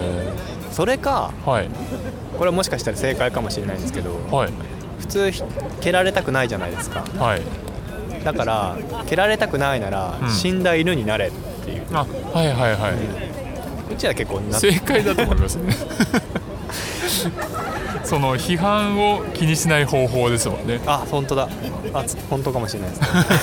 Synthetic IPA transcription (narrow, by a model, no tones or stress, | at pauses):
so̞ɾe̞kahai | ko̞ɾe̞amo̞ɕi̥kaɕi̥t̪aɾase̞ːkaikamo̞ɕinːaĩd̪esɨ̥ked̪o̞hai | ɸɯ̟̥t͡sɨːçkʲe̞ɾaɾe̞t̪akɯ̟naiʑanaid̪esɨ̥ka̰hai | d̪akaɾa | ke̞ɾaɾe̞t̪akɯ̟nainaɾa̰ɕĩnd̪aiɾɯ̟ɲ̟inaɾe̞t̪ːe̞̰jɯ̟̰ːa | haiɦaiɦaĩ | ot͡ɕiβake̞kːoːnaseːkaid̪at̪omoimasɨne | so̞noçiɦãɰ̃okʲiɲ̟iɕinaiho̞ːɦo̞ːd̪e̞sɨmõ̞̰nːe̞ahõ̞nt̪o̞d̪a | a | hõ̞nt̪o̞kamo̞ɕiɾenaid̪es